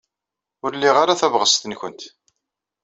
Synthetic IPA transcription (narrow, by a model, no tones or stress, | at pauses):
ʊɾlːiʁaɾaθævʁəst̪ənçənt̪